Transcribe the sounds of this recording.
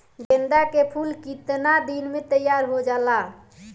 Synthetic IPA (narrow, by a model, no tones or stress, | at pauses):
ɡə̃nd̪akepʰulkit̪nad̪inmet̪əjaɾɦod͡ʒala